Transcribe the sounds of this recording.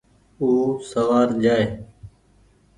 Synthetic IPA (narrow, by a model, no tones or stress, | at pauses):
uːsəʋaːɾd͡ʒaːeː